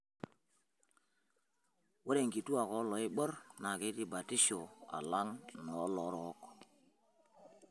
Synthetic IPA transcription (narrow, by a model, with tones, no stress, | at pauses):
wo˦ɾe˨ŋɡi˨tu˦a˨kɔ˨˦lɔ˨˦i˦ɓɔ˦ɾna˨ke˨˦ti˦ba˨ti˦ʃo˨a̰˨la˦ŋnɔ˨˦lɔ˨˦ɾɔ˨˦k